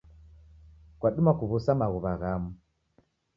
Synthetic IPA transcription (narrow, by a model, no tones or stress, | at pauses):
kwaɗumakuβusamaɣuβaɣamu